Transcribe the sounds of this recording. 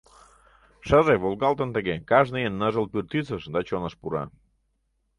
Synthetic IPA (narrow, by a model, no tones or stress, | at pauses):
ʃəʒeβolɣɑlt̪ənt̪əɣekɑʒnəjənːəʒəlpyrt̪it͡səʃd̪ɑt͡ɕonəʃpuɾɑ̰